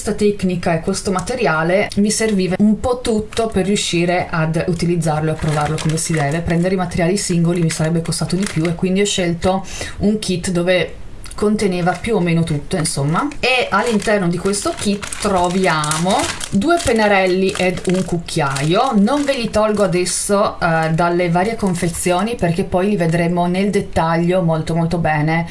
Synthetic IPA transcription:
st̪at̪ɛknikaekːwest̪omat̪eɾjaːlemiserviːvaumpɔt̪ːut̪ːoperːjuʃːiːɾeʔad̪ut̪ilid̪zːarloeapːɾovarlokomesid̪ɛːvepɾɛnd̪eɾeimat̪eɾjaːlisiŋɡolimisaɾɛbːekost̪aːt̪od̪ipjuekːwind̪iɔʃːɛlt̪o | uŋkʰit̪ːd̪oːve | kont̪eneːvapjuomːeːnot̪ut̪ːoinsomːaealːint̪ɛrnod̪ikwest̪okit̪ːrovjaːmod̪uːepenaɾɛlːiʔed̪uŋkukʰːjaːjonoɱvilit̪ɔlɡoad̪ɛsːod̪alːevaːɾjekoɱfet̪sːjoːniperkepːɔjlived̪ɾemoneld̪et̪ːaʎːomolt̪omolt̪obɛːne

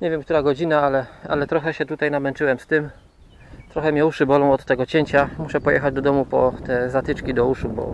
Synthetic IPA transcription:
ɲevʲjɛmkt̪uɾaɡɔd͡ʑinaalɛa̰lɛt̪ɾɔxɛɕɛt̪ut̪ajnamɛnt͡ʂɘwɛmst̪ɘm | t̪ɾɔxɛmʲjɛuʂɘbɔlɔ̃w̃ɔt̪ːɛɡɔt͡ɕeɲt͡ɕamuʂɛpɔjɛ̰xad͡ʑd̪ɔd̪ɔmupɔt̪ɛzat̪ɘt͡ʂkʲid̪ɔuʂubɔ̰

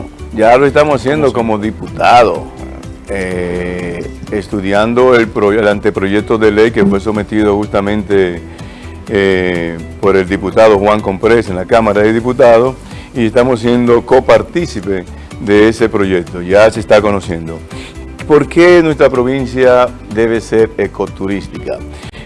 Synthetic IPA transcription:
ɟ͡ʝaloest̪amosasje̞nd̪o̞ko̞mo̞ðiput̪aðo̰ | e | est̪uðjand̪o̞elpɾoelant̪epɾo̞ʝe̞k̚t̪oðe̞lejke̞fwe̞so̞me̞t̪iðoxust̪amẽnt̪e | po̞ɾe̞ld̪iput̪að̞o̞xwaŋko̞mpɾe̞se̞nlakamaɾaðeðiput̪aðo | iest̪amosːje̞nd̪o̞ko̞paɾt̪isipe | ðeesepɾo̞ʝe̞k̚t̪o̞ʝaseːst̪ako̞no̞sje̞nd̪o | po̞ɾkenwe̞st̪ɾapɾo̞βinsja | d̪e̞β̞e̞seɾeko̞t̪uɾist̪ika̰

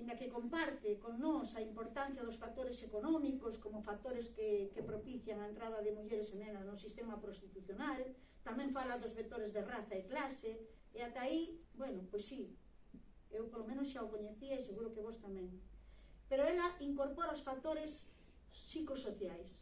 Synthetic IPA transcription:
eŋakekompaɾt̪ekoŋnosaimpoɾt̪an̟θjað̞osfak̚t̪oɾesekonomikoskomofak̚t̪oɾeskekepɾopiθjaŋaent̪ɾað̞aðemuʎeɾesenẽnaznosist̪emapɾost̪it̪uθjonal | t̪amẽɱfalaðozβek̚t̪oɾezðeraθaeklase | eat̪aibwenopwojsːi | ewpoɾlomẽnosʃaokoɲeθiajseɣuɾokeβ̞ost̪amẽŋ | peɾoelaʔiŋkoɾpoɾaosfak̚t̪oɾesː | ikosoθjajs

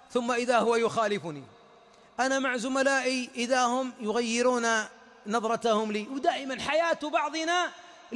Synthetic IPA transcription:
θʊmːaʔɪðahʊwajʊxaːlɪfʊnḭ | ʔanamaʕzʊmalaːʔiʔɪðahʊmjʊɣajːɪɾuːna | nɑðˤɾˤɑt̪ahʊmliːwd̪aːʔɪmanħajaːt̪bɑʕðˤɨna

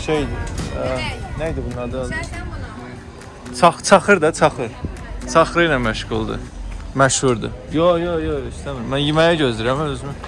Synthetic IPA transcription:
ʃejd̪i | næjd̪ibunːɑd̪ɯlˠ | t͡sʰɑxt͡sʰɑxɯɾd̪at͡sʰɑxɯɾt͡sʰɑxɾɯjnanmæʃɣulˠd̪ɯ̰mæʃhuɾd̪ɯ̰jojojojist̪æmiɾimːænjimæjaɟøzd̪yɾæmøzymy

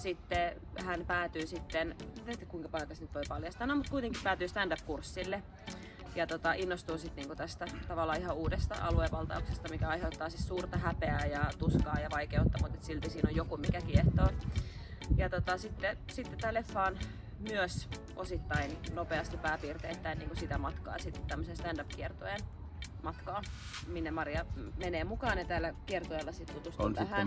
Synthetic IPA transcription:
sit̪ːe | hænpæːt̪yːsit̪ːenet̪ːekuiŋkɑpɑikɑsnyt̪ʋoipɑljɑst̪ɑːnomut̪kuit̪eŋkipæːt̪yːst̪ændæp̚kursːilːe | jɑt̪ot̪ɑʔinːost̪uːsit̪niːŋkut̪æst̪æt̪ɑʋɑlːˑɑːihɑuːdest̪ɑ̰ʔɑ̰lueʋɑlt̪ɑ̰uksest̪ɑmikæɑiɦeut̪ːɑːsissuːrt̪ɑhæpeæjɑt̪uskɑːjɑʋɑikeut̪ːɑmut̪et̪silt̪isiːnojjokumikækieht̪oː | jɑt̪ot̪ɑsit̪ːesit̪ːet̪æːlːefːɑːn | myøs | ʔosit̪ːɑinnopeɑst̪ɑpæːpiːrt̪eːt̪ːæinniːŋkusit̪æmɑt̪kɑ̰ːsit̪ːe̥t̪t̪æmːøsenst̪ændɑpkiert̪oen | mɑt̪kɑːminːemɑriɑmeneːmukɑːnet̪æːlːækiert̪oelːɑsit̪t̪ut̪ust̪nsæhæn

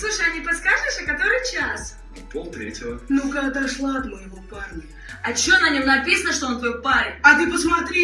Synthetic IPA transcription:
slˠuʂəjɐnʲɪpɐskaʐɨʂɐkɐt̪o̞ɾɨjt͡ɕas | polˠt̪ɾʲetʲɪvənukakd̪aʂlˠat̪məjɪvoparnʲɪ | ɐt͡ɕo̞nɐnʲomnɐpʲisənəʂt̪oo̞nt̪vɐjopaɾʲɪt̪ɐt̪ɨpəsmɐt̪ɾʲi

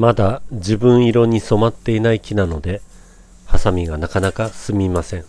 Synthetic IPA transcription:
mad̪ad͡ʑibɯ̟̃ɰ̃iɾo̞ɲ̟iso̞mat̪ːe̞inaikʲinano̞d̪e̞ | hasamʲiɡanakanakasɨmʲimasẽ̞ŋ

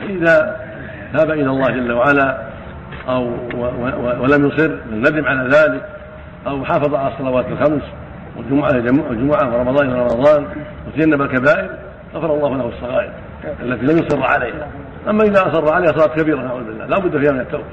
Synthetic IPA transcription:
faʔɪða | t̪aːbaʔɪlalˤːɑːhd͡ʒalːawaʕala | ʔaw | walamjʊsˤɨrfanːad̪ɪmʕalaðaːlɪk | ʔawħɑːfɑðˤɑʕalasˤːɑlawaːt̪alxams | wad͡ʒʊmʕad͡ʒamd͡ʒʊmʊʕafɾˤɑmɑðˤɑːnʔɪlaɾˤɑmɑðˤɑːn | wat̪ad͡ʒanːabalkabaːʔɪɾ | ɣɑfɑɾˤɑlːˤɑːhʊlahɑsˤːɑɣɑːʔɪ̰ɾ | ʔalːat̪ilamjʊsˤɨrˤːʕa̰lejha | ʔamːaʔɪðaʔɑsˤɑrˤːɑʕalejhasˤɑlɑːt̪kabiːɾanaʕuːðʊbɪlːa̰hlaːbʊd̪ːfiːhamɪnat̪ːaːfi

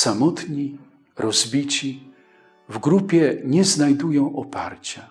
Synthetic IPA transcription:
samɔt̪ɲi | ɾɔzbʲit͡ɕi | vɡɾupʲjɛɲɛznajd̪ujɔ̃w̃ʔɔpaɾt͡ɕa

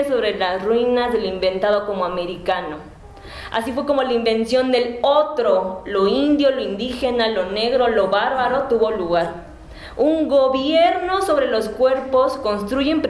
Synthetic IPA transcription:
so̞βɾelasrwinazðelimbe̞nt̪aðoko̞moame̞ɾikano̞ | a̰sifweko̞mo̞laimbe̞nsjo̞nd̪e̞lot̪ɾoloind̪joloind̪ixenaloneɣɾolo̞βaɾβaɾot̪uβo̞luɣaɾ | uŋɡoβjeɾno̞so̞βɾe̞lo̞skwe̞ɾposko̞nst̪ɾuʝempɾ

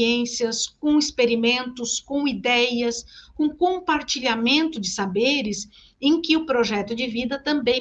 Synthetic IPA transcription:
ẽsiɐskõw̃ɪspeɾimẽnt̪ʊskõw̃id̪ɛjɐskõkõpaɾt͡ʃiʎamẽnt̪ʊd͡ʒɪsabeɾɪs | ẽj̃kɪʊpɾoʒɛt̪ʊd͡ʒɪvid̪ɐt̪ɐ̃mbẽj̃

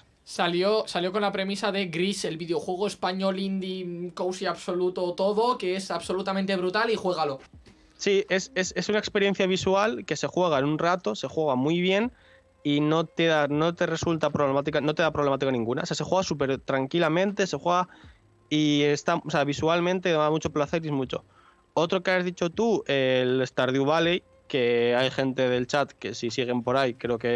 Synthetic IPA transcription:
saljo̞saljo̞ko̞nlapɾe̞misaðe̞ɡɾise̞lβiðeo̞xwe̞ɣ̞oespaɲo̞lind̪ikowsiaβso̞lut̪o̞t̪o̞ðo̞keesaβso̞lut̪am̃nt̪e̞βɾut̪alixwe̞ɣ̞alo̞ | sie̞se̞se̞sunaekspe̞ɾje̞n̟θjaβ̞isualke̞se̞xwe̞ɣaenunrat̪o̞se̞xwe̞ɣ̞amujβ̞je̞n | ino̞t̪eðano̞t̪e̞re̞sult̪apɾoβle̞mat̪ikano̞t̪e̞ð̞apɾoβlemat̪ikanĩŋɡuna̰osease̞xweɣasup̬e̞ɾt̪ɾaŋkilamẽ̞nt̪e̞se̞xwe̞ɣa | ie̞st̪aoseaβ̞isualmẽnt̪eðmaamut͡ʃo̞plaθe̞ɾjemut͡ʃo̞̰ | o̞t̪ɾo̞ke̞azðit͡ʃo̞t̪uele̞st̪aɾðjuβalej | ke̞ajxe̞nt̪e̞ð̞e̞lt͡ʃat̪ke̞sisiɣ̞e̞mpo̞ɾajkɾe̞o̞ke̞

